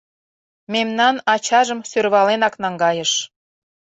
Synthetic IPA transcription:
memnɑnɑt͡ɕɑʒəmsørβɑlenɑknɑŋɡɑjəʃ

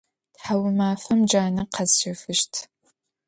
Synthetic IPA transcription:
tħawʊmaːfɐmd͡ʒaːnɐqʰɐzʃɪfɨʃtʰ

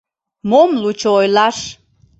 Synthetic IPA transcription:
momlut͡ɕoojlɑʃ

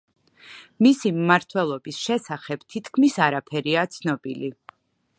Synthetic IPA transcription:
misimmaɾt̪ʰwɛlˠɔbisʃɛsaχɛb̥t̪ʰit̪ʰkʰmisaɾapʰɛɾiat̪sʰnɔb̥ili

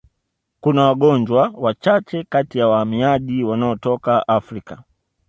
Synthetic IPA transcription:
kunawaɡɔɲd͡ʒwawat͡ʃat͡ʃɛkatijawahamiaʄiwanaɔtɔkaʔafɾika

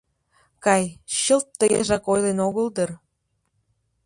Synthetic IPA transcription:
kɑjɕəlt̪ːəjeʒɑkojlenoɣəld̪ər

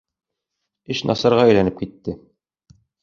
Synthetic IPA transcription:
ɘɕnʔɑ̰sɑɾʁɑæjlænɘp̚kit̪ːɘ

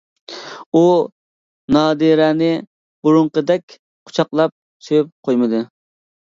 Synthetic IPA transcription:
u | nɑːd̪ɨɾænɪ | b̥uɾʊɴqəd̪ɛkʲ | qʰʊ̥t͡ʃʰɑqlˠɑp̚ | sʰøyp̚qʰojmɨd̪ɨ

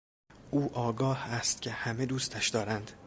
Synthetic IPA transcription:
ʔuːʔɒːɡɒːhæst̪cʲʰe̞hæmed̪uːst̪ʰæʃd̪ɒːɾænd̪̥

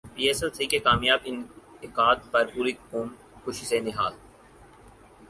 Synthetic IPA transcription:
piːeːsɛlsiːkekaːmjaːbɪnɪkaːt̪̚pɐɾpuːɾikuːm | xʊʃisenɪɦaːl

